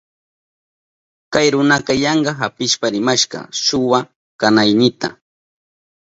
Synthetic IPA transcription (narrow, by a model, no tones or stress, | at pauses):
kajɾʊnɑqɑjɑɴɢɑɦapɪʃpaɾɪmaʃɢɑ̰ʃʊwa | kanajnɪt̪a̰